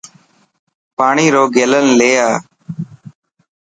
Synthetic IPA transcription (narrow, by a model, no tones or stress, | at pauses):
paːɳiːɾoːɡeːlənleːjaː